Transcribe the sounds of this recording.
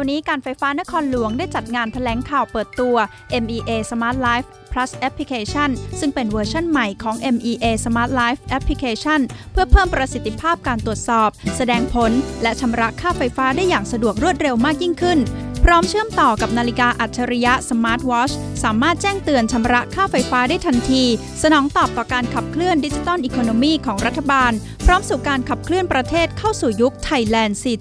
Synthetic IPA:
a˧wniː˦˥kaː˧nfa˧jfaː˦˥na˦˥kʰɔː˧nlu˨˩˦əŋdaː˥˩jt͡ɕa˨˩t̪̚ŋaː˧nt̪ʰa˧lɛː˩˦ŋkʰaː˨˩wpɤː˨˩t̪ːu˧ɐ | ʔe˧mʔiː˧ʔeː˧sa˧maː˦˥t̪̚laː˦˥jf | pʰɾa˦˥sʔɛ˦˥pʰːli˧˥kʰeː˧t͡ɕʰa˥˩nsɯ˥˩ŋpe˧nwɤː˧t͡ɕʰa˥˩nma˨˩jkʰɔː˩˦ŋʔe˧mʔiː˧ʔeː˧sa˧maː˦˥t̪̚laː˦˥jf̚ʔɛ˦˥pʰːli˧kʰeː˧t͡ɕʰa˥˩npʰɯ˥˩ɐpʰɤː˥˩mpɾa˧si˨˩t̪ʰːi˧˩pʰaː˥˩p̚kaː˧nt̪u˨˩ət̪̚sɔː˨˩p̚sa˧dɛː˧ŋpʰo˩˦nlɛ˦˥t͡ɕʰa˧mɾa˦˥ʔkʰaː˥˩fa˧jfaː˦˥daː˥˩jːaː˨˩ŋsa˧du˨˩ək̚ɾu˥˩ət̪̚ɾe˧wmaː˥˩k̚ji˥˩ŋkʰɯ˥˩npʰɾɔː˦˥mt͡ɕʰɯ˥˩əmt̪ɔː˨˩ka˨˩p̚naː˧li˦˥kaː˧ʔa˨˩t̪̚t͡ɕʰːa˧ɾi˦˥ja˦˥ʔsa˧maː˦˥t̪̚wɔː˦˥t͡ɕ | saː˩˦maː˥˩t̪̚t͡ɕɛː˥˩ŋt̪ɯ˧ənt͡ɕʰa˧mɾa˦˥ʔkʰaː˥˩fa˧jfaː˦˥daː˥˩jt̪ʰa˧nt̪ʰiː˧ | sa˧nɔː˩˦ŋt̪ɔː˨˩p̚t̪ɔː˨˩kaː˧nkʰa˨˩p̚kʰlɯ˥˩əndi˦˥t͡ɕi˧t̪ɔ˥˩nʔiː˧kʰoː˧noː˧miː˥˩kʰɔː˩˦ŋɾa˦˥t̪ʰːa˧baː˧n | pʰɾɔː˦˥msuː˨˩kaː˧nkʰa˨˩p̚kʰlɯ˥˩ənpɾa˧t̪ʰeː˥˩t̪̚kʰa˥˩wsuː˨˩ju˦˥k̚t̪ʰa˧jlɛː˧nsiː˧˩

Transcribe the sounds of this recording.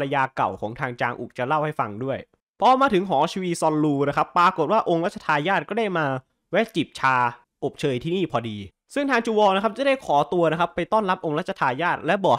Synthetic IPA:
la˧jaː˧ka̰˨˩wkʰɔː˩˦ŋt̪ʰaː˧ŋt͡ɕaː˧ŋʔṵ˨˩k̚t͡ɕa˨˩la˥˩wha˥˩jfa˧ŋdu˥˩əj | pʰɔ˦˥maː˧t̪ʰɯ˩˦ŋɦɔː˩˦t͡ɕʰiː˧wi˦˧sɔː˧nluː˧na˦˥kʰa˦˥pːɾaː˨˧ko˨˩t̪̚waː˥˩ʔo˧ŋɾa˦˥t̪̚t͡ɕʰa˧t̪ʰaː˧jaː˥˩t̪̚kɔː˥˩daː˥˩jmaː˧ | wɛː˦˥t̪̚t͡ɕi˨˩p̚t͡ɕʰaː˧ | ʔo˨˩p̚t͡ɕʰɤː˧jt̪ʰiː˥˩niː˥˩pʰɔː˧diː˧ | sɯ˥˩ŋt̪ʰaː˧ŋt͡ɕuː˧wɔː˧na˥kʰa˥t͡ɕa˨˩da˥˩jkʰɔː˩˦t̪u˧ɐna˦˥kʰa˦˥pːa˧jt̪ɔː˥˩nla˦˥p̚ʔo˧ŋɾa˦˥t̪̚t͡ɕʰa˧t̪ʰaː˧jaː˥˩t̪̚lɛ˦˥bɔː˨˩k̚

